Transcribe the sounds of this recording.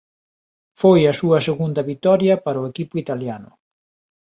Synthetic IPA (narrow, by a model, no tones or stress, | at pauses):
fojɐsuɐseɣund̪ɐβit̪ɔɾjɐpaɾʊekipʊit̪aljanʊ̰